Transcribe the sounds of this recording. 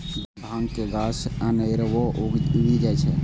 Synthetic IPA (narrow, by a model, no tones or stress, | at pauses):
bʱãːŋɡkeɡaːsənəɪɾʋoɡid͡ʒat͡ʃʰɛ